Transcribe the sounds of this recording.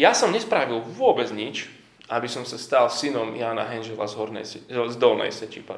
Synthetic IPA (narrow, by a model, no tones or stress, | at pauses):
jasɔmɲɛspɾaʋilʋʊɔbɛd͡zɲit͡ʃ | ʔabisɔmsast̪alsinɔmjaːna̰ɦɛnʒɛlazɦɔɾnɛ̰zd̪ɔlnɛ̰jsɛcipa̰